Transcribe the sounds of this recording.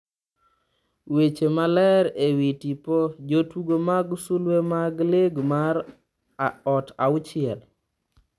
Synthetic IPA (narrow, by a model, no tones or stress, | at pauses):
wet͡ʃemalɛɾewitipɔd͡ʒotuɡomaɡsulwemaɡleɡmaɾ | ɔtaʊt͡ʃɪɛl